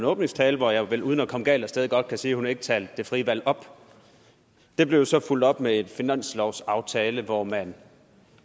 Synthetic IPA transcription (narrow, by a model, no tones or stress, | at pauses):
nɔ̽ːb̥ne̝ŋst͡sʰɛːləʋɒjɑ̈ɪʋeluð̞ˠən̩ækʰɒ̽məɡ̥ɛ̰ːlɒsd̥eːðˠiɡ̥ɒ̽d̥̚kʰæsiːhunhɑe̝ɡ̥ə̥t͡sʰɛːld̥ːe̝fʁiʋæl̰ɒ̽b̥ | d̥e̝b̥le̝ʊsɒ̽ful̰d̥ɒ̽b̥mee̝d̥finæn̰slɒʊ̰sɑ̈ʊt͡sʰɛːləʋɒmæn